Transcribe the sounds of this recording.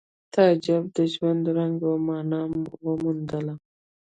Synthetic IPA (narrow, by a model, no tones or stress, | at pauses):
t̪ɑd͡ʒab̚d̪əʒwand̪ɾaŋɡomɑnɑmwəmund̪əla